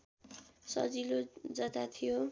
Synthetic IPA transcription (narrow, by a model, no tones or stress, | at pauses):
sʌ̰d͡zilod͡zʌt̪at̪ʰijo